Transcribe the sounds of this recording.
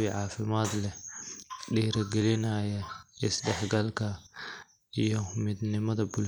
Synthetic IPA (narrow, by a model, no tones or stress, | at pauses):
ɪʕɑːfɪmaːd̪lɛ | ɖiːɾɐɡɛlɪnɐːjɐʔɪsɖɛħɡɐlkʰɐ | ʔijɔmɪd̪nɪmɐðɐbʊl